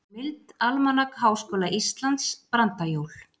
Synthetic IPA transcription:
mɪlt̪almanakhaːwskoːlaʔist̪lant̪spɾant̪ajoːwl̥

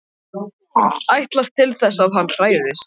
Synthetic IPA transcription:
ajht̪laft̪ʰːɪlθɛsːaðɦanːr̥aːjɪðɪst̪

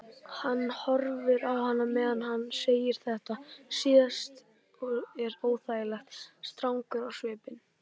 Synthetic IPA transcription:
hanːhɔɾvɪɾawhanːamɛːðanɦanːseːjɪɾ̥θɛht̪asjɛst̪ | ɔɛɾoːwθaːjɪlɛxt̪st̪ɾawŋkʏɾawsvɛːpɪn

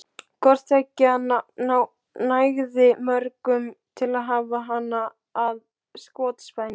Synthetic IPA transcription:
kʰɔr̥t̪acːɪananaw | najɣðɪmœɾkʏmt̪ʰɪlaðɦaːvaɦanːaː | ð | skɔːt̪spajn

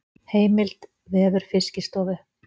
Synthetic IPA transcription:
heːjmɪl̥t̪ | vɛːðʏɾ̥fɪscɪst̪ɔːvʏ

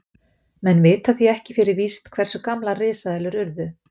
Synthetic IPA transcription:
mɛnveːt̪haθiɛhcɪfɪɾɪɾviːst̪kʰv̥ɛr̥sʏkamlarɪːsaðɛlʏɾʏɾðʏ

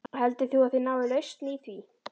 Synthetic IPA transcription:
hɛlt̪ɪθuaðθɪnaːwvɪlœjst̪niθvi

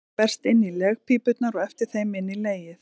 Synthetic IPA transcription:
pɛr̥st̪ɪnːilɛɣpʰipʏt̪naɾɔɣɛft̪ɪɾ̥θejmɪnːileːjɪθ

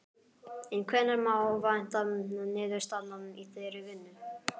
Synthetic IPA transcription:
ɪnkʰvɛːnaɾmaːwvajn̥t̪amɪnʏnɪːðʏɾ̥st̪at̪nanʏmiθʰejɾɪvɪnːʏ

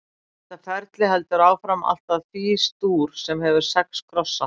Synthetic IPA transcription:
θɛt̪ːafɛɾt̪lɪhɛl̪t̪ʏɾaːwfɾama̰l̥t̪aðθiːst̪uːɾ̥sɛmhɛvʏɾ̥sɛkskʰɾɔsːa

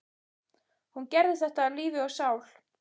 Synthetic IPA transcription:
huncɛɾðɪθɛht̪aːliːvɪɔɣsaːwl̥

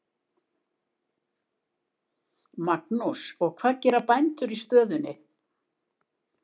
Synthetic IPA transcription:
maknusɔɣkʰvaːɾcɛːɾapajnt̪ʏɾist̪œːðʏnːɪ

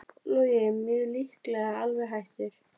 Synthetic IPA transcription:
lɔjɪmːjœðlihklɛɣaalvɛɦajht̪ɪɾ̥

